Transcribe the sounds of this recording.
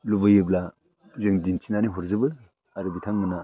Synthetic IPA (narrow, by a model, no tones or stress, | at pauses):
lubɯjɯbla | zɯŋdintʰinaniɦɔɾzɯbɯ | aɾɯbitʰaŋmɯna